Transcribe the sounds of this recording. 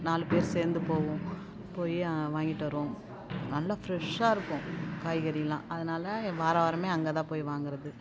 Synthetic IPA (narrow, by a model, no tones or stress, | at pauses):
naːlɯpeːɾseːɾnd̪ɯpoːʋʊ̃ | poːjiʋaːŋɡɪʈːʋɐɾɯʋõ | nɐlːaːfɾɛʂaːɪɾɯkːʊ̃kaːjɣɐɾɪɐlːãːʔɐðɯnaːlɐʋaːɾaːʋɐɾɐmeːɐŋɡɐt̪ãːpoːjiʋaːŋɡɪɾɐðɯ